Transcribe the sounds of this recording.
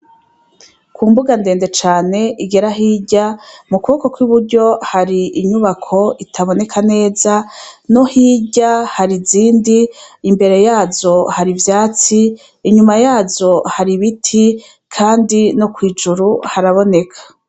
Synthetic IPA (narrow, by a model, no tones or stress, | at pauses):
kuːmbuɡande̞ːnde̞t͡ʃaːne̞iɡe̞ɾaɦiːɟamukuβokokwiβuɾɟo̞haɾiʔiɲuβakʰo̞itʰaβo̞ne̞kʰane̞ːzano̞hiːɟahaɾiziːndiːmbe̞ɾe̞jaːzo̞haɾivjaːt͡siː | ɲumajaːzo̞haɾiβitʰi | kʰaːndino̞kwiːd͡ʒuɾuhaɾaβo̞ne̞kʰḁ